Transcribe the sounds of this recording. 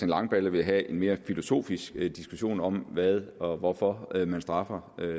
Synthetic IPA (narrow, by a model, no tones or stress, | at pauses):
enlɑ̈ŋb̥ɛləʋe̝ɦæʔe̝nme̝ːɐfilo̝so̝̰ːfisɡ̥d̥isɡ̥uɕo̝̰ːnɒ̽mʋæðˠɒ̽ʋɒfɒ̽ømænsd̥ʁɑ̈fɐø